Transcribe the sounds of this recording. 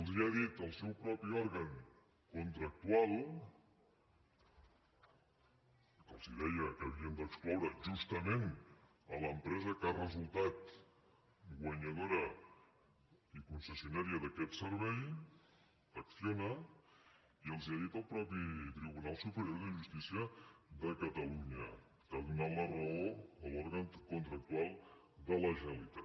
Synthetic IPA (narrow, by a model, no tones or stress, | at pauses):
əlˠziaðit̪əlˠsɛwpɾɔpiɔɾɣəŋ | kunt̪ɾək̚t̪ualˠ | kəlˠziðɛjəkəβiənd̪əksklɔwɾəʒust̪əmen | ələmpɾɛzəkarəzulˠt̪at̪ | ɡwəɲəð̞oɾə | ikunsəsiunaɾiəðəkɛt̪səɾβɛj | əksionə | iəlˠziaðit̪əlˠpɾɔpit̪ɾiβunalˠsupəɾjoɾðəʒust̪isiəðəkət̪əluɲə | kaðunalərəoəloɾɣəŋkunt̪ɾək̚t̪ualˠ | d̪ələʒənəlit̪a